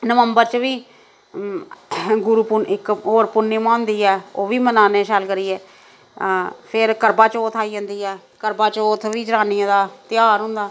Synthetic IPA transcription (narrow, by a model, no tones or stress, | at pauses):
nəʋəmbəɾt͡ʃʋiː | ɡʊɾuːpʊnɪkoːɾpʊnːiːmãːnd̪iːɛːoːʋiːmənaːneːʃəlkəɾiːɛː | pʰɪɾkəɾbaːt͡ʃoːt̪ʰaːiːd͡ʒə̃ːnd̪iːɛː | kəɾbaːt͡ʃoːt̪ʰʋiːd͡ʒəɾaːnijãːd̪aːt̪ɪjaːɾɦʊ̃nd̪aː